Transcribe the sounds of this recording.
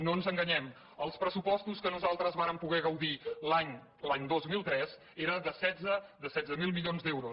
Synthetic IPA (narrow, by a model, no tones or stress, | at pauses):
nonzəŋɡəɲɛm | əlˠspɾəsupɔst̪uskənuzalˠt̪ɾəzβaɾəmpuɣɛɣəwðilaɲ | laɲd̪ozmilˠt̪ɾɛz | eɾəðəsɛd͡zəðəsɛdd͡zzəmilˠmiʎonzd̪ɛwɾus